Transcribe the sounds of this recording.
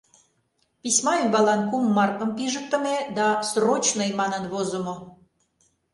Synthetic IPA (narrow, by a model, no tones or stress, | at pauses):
pisʲmɑembɑlɑnkumːɑrkə̆mpiʒək̚t̪əmed̪ɑsrot͡ɕnəjmɑnə̆nβozŏmo